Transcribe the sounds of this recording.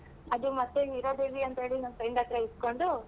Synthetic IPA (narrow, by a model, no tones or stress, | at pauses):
ɐd̪umɐt̪ːeiɾoːd̪eʋiɐnt̪ɐɦeːɭinɐnsɐjɳɖɐt̪ɾɐisko̞ɳɖu